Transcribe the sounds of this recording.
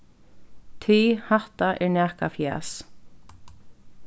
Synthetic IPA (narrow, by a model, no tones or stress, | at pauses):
t̪ʰiːhaht̪aʔɛɹnɛːhkafjɛ̰ːs